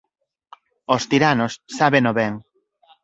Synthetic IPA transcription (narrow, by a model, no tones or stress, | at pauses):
ost̪iɾanosːaβenoβɛŋ